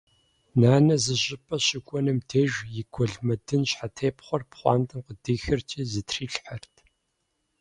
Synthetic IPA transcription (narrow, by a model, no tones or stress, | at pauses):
naːnɐzɨʑʼɪpʼɐɕɪkʷʼɔnɨmdʰeʒjɪɡʷʰɔɮmɐdɨnɕħatʰeːpχʷɔrpχʷɑ̰ːmtʰʼɨmqədiːxɨrt͡ʃʼizɨtʰriːɬħɐrtʰ